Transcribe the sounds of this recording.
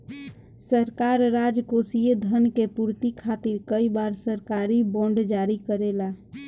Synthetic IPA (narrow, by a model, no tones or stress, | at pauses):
səɾkaɾːad͡ʒkosijed̪ʱənkepuɾt̪ikʰat̪iɾkəibaɾsəɾkaɾibɔ̃ɳɖd͡ʒaɾikəɾela